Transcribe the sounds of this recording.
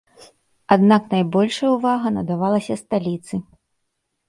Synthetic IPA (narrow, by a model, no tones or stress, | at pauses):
ad̪naknajbɔlʲʂɐjɛwvaɣɐnɐd̪avalˠɐsʲɐst̪alʲit̪sɨ